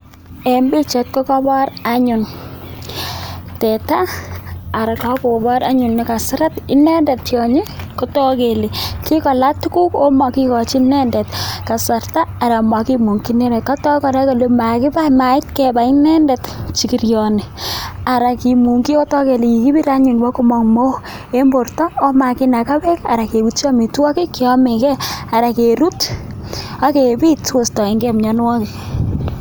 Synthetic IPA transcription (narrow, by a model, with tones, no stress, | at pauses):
e˨mbi˦t͡ʃe˨t̚kɔ˦kɔbɔ˦ɾa˦ɲʊ˨n | tɛ˨taː˦˨ | ɾa˨tɔ˦ko˨kɔ˨bɔ˦ɾa̰˦ɲʊ˨nːɪ˨ka˨sɪ˦ɾa˦tɪ˦nɛ˦ndɛ˨tjɔ˨ɲe˦ko˦tɔ˦ke˨li˨ki˦kɔ˨la˦tuku˦ko˦ma˨ki˦kɔ˨t͡ʃi˦nɛ˦nde˨tka˨sa˨rtaː˦˨ɾa˨ma˨ki˦mu˨ŋki˦ne˦ɾɛ˨ka˦tɔ˦kɔ˨ɾa˦ko˨le˦ma˨kɪ˦pa˦ma˨ɪ˦t̚ke˨ba˨ɪ˦nɛ˦nde˨tt͡ʃi˨ki˨rjɔ˨ne˨a˨ɾa˨ki˨mu˨ŋɡi˦o˦tɔ˦ke˨li˨i˨ki˦bi˦ɾa˦ɲi˨nwa˦ko˦mɔ˨ŋmo˦ | e˦mbo˨rtɔ˦o˦ma˨kɪ˦na˨ka˦bɛ˦ka̰˨ɾa˨ke˨bu˨t͡ʃɔ˦mi˨twɔ˦ki˦kːɪ˨ɔ˦me˨kɛ˦a˨ɾa˨ke˨ɾu˦t | a˦ke˨bi˦tso˨stɔ˨e˨ŋɡe˦mɲɔ˨n˦wɔ˦ke˨